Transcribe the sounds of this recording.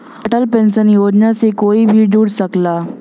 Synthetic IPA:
əʈəlpɛ̃nsənjoːd͡ʑnasekoːibʱid͡ʒuːɽsəkla

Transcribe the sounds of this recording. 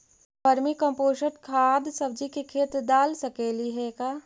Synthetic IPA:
bɐɾmikɐ̃mpoːʃəʈkʰaːd̪sɐb̚d͡ʒikekʰeːt̪d̪aːlsɐkeːliɦɛkaː

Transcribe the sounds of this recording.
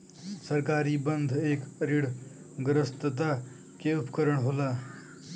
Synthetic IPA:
səɾkaːɾiːbənd̪ʱeːkɾiɽ̤ | ɡɾəst̪ət̪̬a | keupkəɾəɳɦolaː

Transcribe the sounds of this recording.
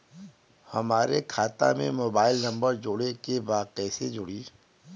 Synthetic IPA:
hɐmaːɾekʰaːt̪a̰mḛ̃moːbaːɪlnɐ̃mbəɾd͡ʒoːɽekebaːɛːsed͡ʒʊɽiː

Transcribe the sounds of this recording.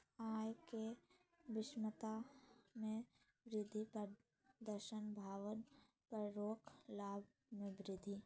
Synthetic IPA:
aːjke | ʋɪʃmət̪amẽ | ʋɾɪd̪ʱipəɾ | d̪əɾʃənbʱaːʋən | pəɾɾoːkʰlaːb̚ʱ | mẽbɾɪd̪ʱi

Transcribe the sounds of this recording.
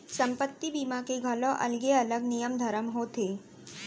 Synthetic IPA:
sɐ̃mpət̪ːibimakeɡʱɐlõʔɐ̰lɡeɐləɡnijəmd̪ʱɐɾəmɦoːt̪eː

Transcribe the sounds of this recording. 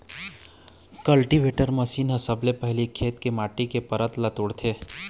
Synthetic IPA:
kɐlʈiʋeːʈəɾmɐsiːnɦəsəblepɐɦlikʰeːt̪kemaːʈikepɐɾət̪lɐt̪ʊɽt̪ʰeː

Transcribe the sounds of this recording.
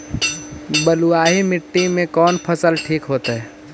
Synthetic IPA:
bəluaːɦimɪʈːimẽkɔːnpʰəsəlʈʰiːkɦoːt̪aɦɛː

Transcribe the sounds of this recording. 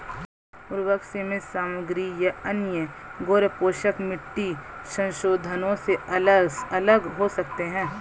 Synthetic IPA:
ʊɾʋəkʃemẽsaːmʊɡɾijaɐnjə | ɡoːɾəpoːʃəkmɪʈːisɐ̃nʃoːd̪ʱənõseɐləsɐləɡɦosɐk̚t̪eɦɛ̃ː

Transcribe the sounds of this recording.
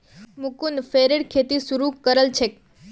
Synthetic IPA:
mukunfeɾeɽkʰet̪isuɾukːəɾəlt͡ʃʰe

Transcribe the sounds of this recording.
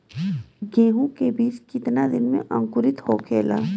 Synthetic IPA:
ɡẽːɦũkebiːt͡ʃkɪt̪nad̪ɪnmḛ̃ʔɐ̃ŋkʊɾɪt̪hokʰeːlaː

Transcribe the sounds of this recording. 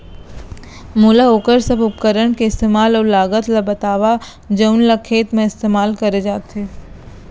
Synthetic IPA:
muːlaoːkəɾsɐbʱʊp̚kəɾəɽkeɪst̪eːmaːlɔːɾlaːɡət̪labɐt̪aːʋa | d͡ʒəʊnlakʰeːt̪mẽɪst̪eːmaːlkɐɾed͡ʒaːt̪eː

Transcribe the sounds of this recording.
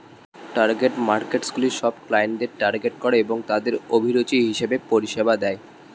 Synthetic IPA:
ʈaɾɡeʈmaɾkeʈskuliʃɔbklajnɖ̪eɾʈaɾɡeʈkɔɾeeboŋt̪ad̪eɾobʱiɾot͡ɕiɦiʃebepoɾiʃebad̪ɛe

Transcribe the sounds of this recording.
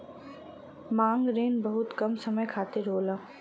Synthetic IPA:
mãːŋɡɾeːnbɐɦʊt̪kɐmsɐməjkʰaːt̪ɪɾɦoːlaː

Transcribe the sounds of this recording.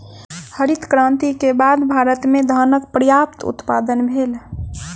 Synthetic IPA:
həɾit̪kɾãːnt̪ikebaːd̪bʱaːɾət̪mẽd̪ʱəːnək̚pɾəjaːpt̪ʊ̰t̪paːd̪ənbʱeːl

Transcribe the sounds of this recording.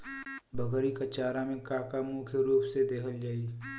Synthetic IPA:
bʱəɡɾikɐt͡ʃaːɾamẽkaːkamukʰjəɾuːpsed̪ekʰəld͡ʒaːi

